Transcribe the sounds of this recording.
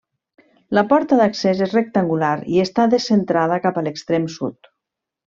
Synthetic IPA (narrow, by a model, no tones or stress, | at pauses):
ləpɔɾt̪əðəksezezrek̚t̪əŋɡulaɾiəst̪aðəsənt̪ɾaðəkapələkst̪ɾemsṵt̪